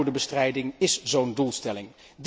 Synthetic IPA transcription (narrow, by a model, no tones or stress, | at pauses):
dəbəstrɛjdɪŋɪszowndulˠstɛlɪŋ | d